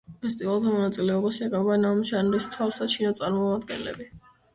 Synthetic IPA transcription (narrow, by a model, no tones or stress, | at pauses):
pʰɛst̪ʼivalˠt̪ʰamɔnat̪sʼilɛɔbasiɛqʼɛbanamʃanɾist̪ʰafsat͡ʃʰinɔt̪sʼaɾmɔmad̪ɡɛ̰nlɛ̰bi